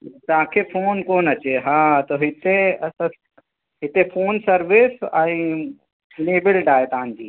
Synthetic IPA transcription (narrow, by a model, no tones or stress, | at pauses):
t̪ãːkʰepʰoːnkoːnɐt͡ʃeɦãːt̪oɦɪt̪es | ɦɪt̪epʰoːnsəɾʋɪsaĩ | neːbɪlɖaːjʈ̪ãːnd͡ʒiː